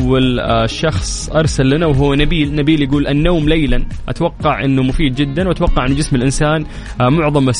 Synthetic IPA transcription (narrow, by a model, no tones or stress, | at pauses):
wːalʃːɑxsˤʔɑɾˤsalːanawɦʊːnabiːlnabiːljaɡuːlʔanːoːmlejlanʔa̰t̪wɑqːɑʕʔɪnːumʊfiːd̪̚d͡ʒɪd̪ːanwʔat̪wɑqːɑʕɪnːʊd͡ʒɪsmɪlʔɪnsaːn | mʊʕðˤɑmas